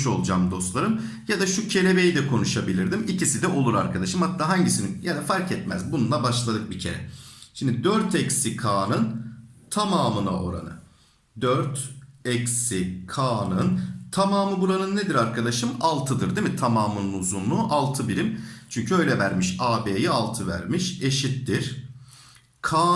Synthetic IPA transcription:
ʃo̞̰lˠd͡ʒaːmd̪o̞st̪lˠaɾɯm | jad̪aʃucʰe̞lʲe̞be̞jid̪ɛkʰo̞nuʃabilʲiɾd̪imicisid̪ɛʔo̞lˠuɾa̰ɾkʰad̪aʃɯmhat̪ːaːɦaɲɟisininjanɛfaɾkɛt̪mæzbununˠabaʃlˠad̪ɯk̚bicʰe̞̰ɾɛ̰ʃimd̪id̪øɾt̪ɛcsikʰaːnɯnt̪ʰamaːmɯna̰ʔo̞̰ɾa̰nɯ̰ | d̪øɾt̪ɛcsikʰaːnɯnt̪ʰamaːmɯbuɾanɯnːed̪iɾaɾkʰad̪aʃɯmalˠt̪ʰɯd̪ɯɾd̪emit̪ʰamaːmɯnɯnuzunlˠuʔalˠt̪ʰɯbiɾimt͡ʃʰyɲcʰyø̞jlʲɛvæɾmiʃaːbeːjialˠt̪ʰɯvæ̰ɾmiʃe̞ʃit̪ːiɾ̥ | kʰaː

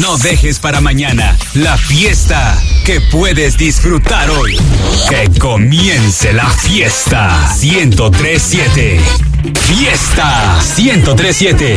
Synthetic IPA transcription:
no̞ðe̞xe̞spaɾamãɲanalafje̞st̪ake̞pwe̞ðe̞zd̪isfɾut̪aɾo̞jkeko̞mjense̞lafje̞st̪asjent̪o̞t̪ɾesːjet̪e | fjest̪a | sjent̪o̞t̪̬ɾesːje̞t̪e

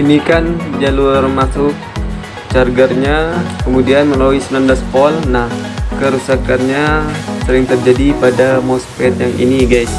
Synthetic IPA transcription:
inikand͡ʒalurmatʊk̚ | t͡ʃarɡərɲakəmudianməlawisənandaspɔlnahkəɾusakanɲasəɾɪŋt̪ərd͡ʒadipadamospɛt̪jaŋʔḭniɡajs

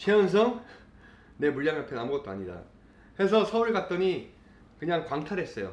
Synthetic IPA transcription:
t͡ɕʰeʌns̬ʰʌŋ | ne̞muʎjaŋapʰenamɯɡʌt͈oaɲida̰ | kes̬ʰʌsʰʌuɭɡat̚t͈ʌɲi | kɯɲaŋkwaŋtʰaɾɦe̞s͈ʌjo̰

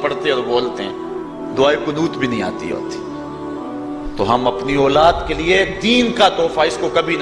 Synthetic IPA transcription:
pɐɽt̪eɔːɾboːlt̪eɦɛ̰̃ː | d̪ʊaːikonuːt̪bʱinɐɦĩa̰ːt̪ḭo̰ːt̪i̥ | t̪oɦɐmɐpniɔːlaːd̪kelied̪iːnkat̪ɔːfaɪskokɐbʱin

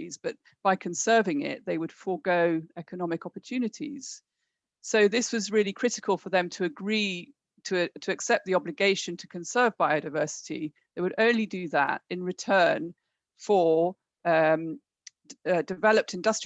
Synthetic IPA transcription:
izb̥ʌt̚ | b̥aɪkʰə̃nsɜ˞vɪ̃ŋɪ̰ʔ̪̚ðeɪwəd̥fəɡoʊɛkənɒmɨkɒpə˞tʰʉːnɨtʰḭz̥ | soʊðɪswɒzɹɪlikʰɹ̥ɪɾɪkʰəlˠfə˞ðɨ̃mtʰəːɡɹi | tʰətʰəːksɛp̚ðiɒblɨɡeɪʃɨ̃ntʰə̥kʰə̃nsɜ˞vbaɪəʊdaɪvɜˑ˞sɪ̥tḭ | ðeɪwəɾə̃ʊ̃nlidɨðə̰tɪ̃nɹɨtʰɜːn | fə˞ | ʌm | dɨvɛləp̚tʰɨ̃ndʌstɹ

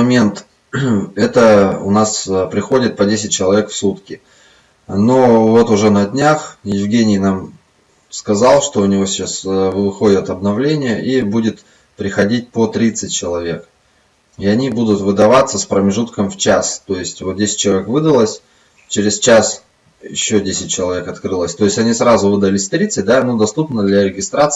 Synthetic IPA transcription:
ɐmʲe̞nt̪ | ɛt̪əʊ̰naspɾʲɪxo̞dʲɪt̪̚pɐdʲesʲɪt̚ʲt͡ɕɪlˠɐvʲe̞kfsut̪kʲɪ | novo̞t̪ʊʐɛnɐdʲnʲaxjɪvɡʲenʲɪjnam | skɐzɑlˠʂt̪o̞ʊnʲɪvo̞sʲɪ̥t͡ɕasvvɨxo̞dʲət̪ɐbnɐvlʲenʲɪjəʔibudʲɪt̪ | pɾʲɪxɐdʲit̚ʲpot̪ɾʲit̪sɨt̚ʲt͡ɕɪlˠɐvʲe̞k | ɪɐnʲibud̪ʊt̪vɨd̪ɐvat̪sːəspɾəmʲɪʐut̪kəmft͡ɕast̪o̞jɪsʲtʲvot̪̚dʲesʲɪ̥t̚ʲt͡ɕːɪlˠɐvʲekvɨd̪əlˠəsʲ | t͡ɕɪɾʲɪst͡ɕas | jɪ̰ɕːodʲesʲɪt̚ʲt͡ɕɪlˠɐvʲe̞kɐt̪kɾɨlˠəsʲt̪o̞ɪsʲtʲɐnʲisɾazʊvɨd̪əlʲɪsʲt̪ɾʲit̪sɨt̚ʲd̪anod̪ɐst̪upnəd̪lʲɐɾʲɪɡʲɪst̪ɾat̪s

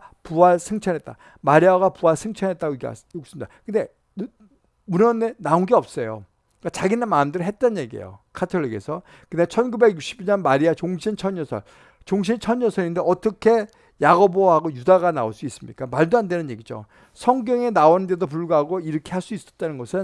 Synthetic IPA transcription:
puaɭsʰeŋt͡ɕʰʌnɦe̞t̚t͈a̰ | maɾiaɡapuaɭsʰeŋt͡ɕʰʌnɦet̚t͈aɡoiɡ̰jok̚s͈ɯmidakɯnde̞ | munʌnenaonɡeʌp̚s͈ʌjo̰ | k͈at͡ɕaɡinamaɯmdɯɾɯɦe̞t̚t͈ʌnnje̞ɡiḛjo̰kʰatʰoʎːiɡe̞sʰʌ | kɯnat͡ɕʰʌnɡube̞ɡjuk̚ɕ͈ʰibiɲʌnmaɾiat͡ɕoŋɕʰint͡ɕʰʌɲjʌsʰʌ̰ɭ | t͡ɕoŋɕ̬ʰint͡ɕʰʌɲjʌsʰʌindeʌt͈ʌkʰe̞ | jaɡoboɦaɡojudaɡana̰oɭs͈uis͈ɯmɲik͈amaɭduɦandenɯnɲje̞ɡid͡ʑo̰ | sʰʌŋɡjʌŋe̞naonndedop̬uɭɡaɦaɡoiɾʌkʰe̞haɭs͈uis͈ʌt̚t͈anɯnɡʌsʰɯn

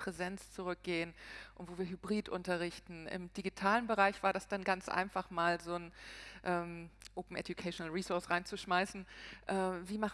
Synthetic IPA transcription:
pʁ̥ɛzɛnt͡st͡suʁʏk̚ɡ̥eːənʔʊntv̥oːviːɐɦybʁiːtʔʊntɐʁɪçtn̩ɪ̰md̥iɡitʰaːlənbəʁaɪçv̥aːɐdasd̥anɡant͡sʔa̰ɪnfaχmaːlzoːnʔɛːmʔʔoːpm̩ʔɛdjukʰaɪʃonəlʁiːsʊɐsʁaɪnt͡suʃmaɪsn̩ʔɛːviːmaχ

